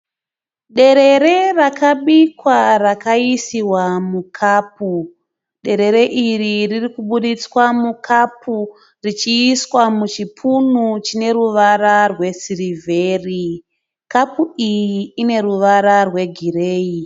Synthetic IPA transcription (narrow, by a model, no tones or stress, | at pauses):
ɗe̞ɾe̞ɾe̞rakaɓikwarakaisiwamukʰaːp̚u | ɗe̞ɾe̞ɾe̞ʔiriririkuɓuɗit͡swamukʰapʰu | rit͡ʃiːswamut͡ʃipʰunut͡ʃine̞ɾuʋararwe̞sirivʱeːri | kapuijiːne̞ruʋaɾarwe̞ɡʱireːi